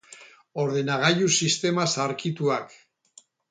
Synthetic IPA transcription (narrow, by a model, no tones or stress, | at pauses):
o̞ɾðe̞naɣaʎusist̪e̞masaɾkit̪uak